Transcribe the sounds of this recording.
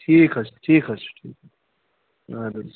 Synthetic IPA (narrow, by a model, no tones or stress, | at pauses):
ʈʰiːkɐsʈʰiːkɐsʈʰḭːk | ad̪ɐ